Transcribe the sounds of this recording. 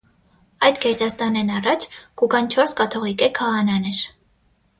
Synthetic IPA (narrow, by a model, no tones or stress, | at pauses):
ɑjd̪kʰɛɾt̪ɑst̪ɑnɛnɑrɑt͡ʃʰɡ̥uɡɑnt͡ʃʰɔɾskɑt̪ʰɔʁikɛkʰɑʁɑnɑnɛɾ